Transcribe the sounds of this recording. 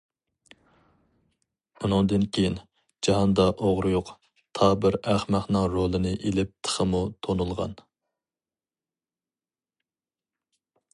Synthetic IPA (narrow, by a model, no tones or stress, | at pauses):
unɨŋd̪ɨnkʲʰejin | d͡ʒɑɦɑnd̪ɑʔoʁɾɨjoq | t̪ʰɑbɪɾæχmæχnɨŋɾolˠɨnɨʔelɪp̚t̪ʰə̥χəmut̪ʰonulˠʁɑ̰n